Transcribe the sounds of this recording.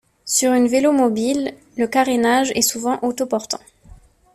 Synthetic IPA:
syʁynvelomɔbilː | əkaʁenaʒɛ̰suvɑ̃ʔot̪opɔʁt̪ɑ̰̃

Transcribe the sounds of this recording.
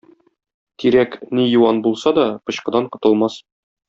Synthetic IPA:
t̪iɾæknijuwɑnbulˠsɑd̪ɒpɤ̆ɕqɤ̆d̪ɑɴqŏt̪ɤ̆lˠmɑs

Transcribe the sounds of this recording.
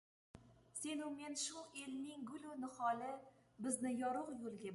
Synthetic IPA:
senumenʃuʔelnɪŋɡʊlʊnɨχɒlɪbɪznɪjɒɾʊqjolˠɡʲa

